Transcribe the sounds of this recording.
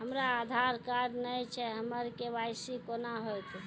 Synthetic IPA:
ɦəmɾaːd̪ʱaɾkaɖnəjt͡ʃʰɛɦəməɾkebajsikonaɦojt̪

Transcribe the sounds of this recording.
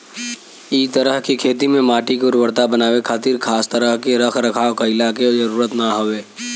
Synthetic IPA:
it̪əɾəɦkikʰeːt̪̬imẽmaːʈikʊɾwəɾt̪abɐnaːwekʰaːt̪iɾkʰaːst̪əɾəɦkeɾəkʰɾɐkʰaːokɐɪlakezɐɾuːɾət̪naɦoʋeː

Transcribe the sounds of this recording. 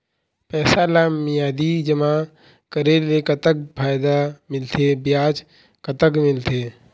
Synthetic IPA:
pɛːsalaːmːijaːd̪id͡ʒəma | kəɾelekət̪ək̚pʰaːjd̪amɪlt̪ʰebjaːd͡ʒ | kət̪əkmɪlt̪ʰeː

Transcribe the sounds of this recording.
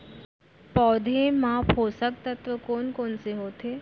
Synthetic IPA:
pɔːd̪ʱemãpʰoːsək̚t̪ət̪ʋəkoːnkoːnseɦoːt̪e

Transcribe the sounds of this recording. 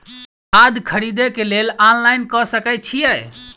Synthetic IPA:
ad̪kʰəɾid̪ekelelanlajnkɔsəkɛt͡ʃʰijɛj

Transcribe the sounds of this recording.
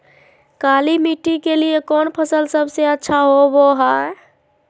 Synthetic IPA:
kalimiʈːikelijekɔnpʰəsəlsəbseətːʃʰaɦoboɦaɾ

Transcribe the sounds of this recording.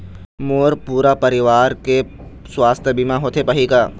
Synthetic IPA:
moːɾpuːɾapɐɾɪʋaːɾke | swaːst̪ʰjəbimãɦoːt̪ʰepɐɦikaː

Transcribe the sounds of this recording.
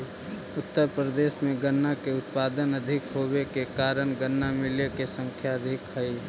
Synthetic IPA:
ʊt̪ːəɾpɾəd̪eːʃmẽɡənːakeʊt̪̚paːd̪ənəd̪ʱɪkɦoːbekekaːɾənɡənːamɪlekesə̃ŋkʰjaəd̪ʱɪkɦəi

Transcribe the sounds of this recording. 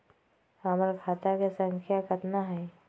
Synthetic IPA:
amɾkʰaːt̪akesə̃ŋkʰjakət̪naɦɛː

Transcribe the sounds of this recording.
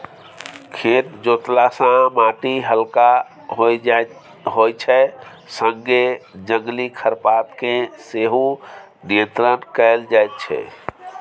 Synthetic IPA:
kʰet̪d͡ʒot̪lasãmaʈiɦəlka | ɦoj | ɦojt͡ʃʰɛ | sə̃ŋɡed͡ʒəŋɡlikʰəɾpat̪keseɦu | nijə̃nt̪ɾənkəld͡ʒajt̪̚t͡ʃʰɛ̰

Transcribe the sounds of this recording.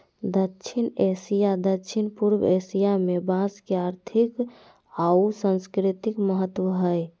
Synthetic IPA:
d̪ətːt͡ʃʰinesijad̪ətːʃʰinpuɾwesijamebãskeaɾt̪ʰik | ausə̃nskɾit̪ikməɦət̪ːwəɦəj

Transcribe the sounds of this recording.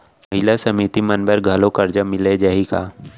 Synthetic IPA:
mɐɦɪlasɐmit̪imɐnbəɾɡʱɐlokɐɾd͡ʒamɪled͡ʒɐɦika̰ː

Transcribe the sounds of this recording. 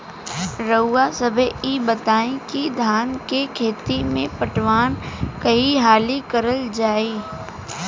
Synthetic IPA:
ɾəːasəbʱeibət̪aːẽkid̪ʱaːnkekʰeːt̪imẽpəʈʋaːnkəiɦaːlikəɾəld͡ʒaːiː

